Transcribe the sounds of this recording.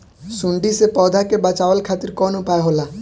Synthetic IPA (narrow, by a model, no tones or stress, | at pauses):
sʊɳɖisepɔːd̪ʱakebət͡ʃaːʋəlkʰaːt̪ɪɾkɔːnʊpaeɦoːlaː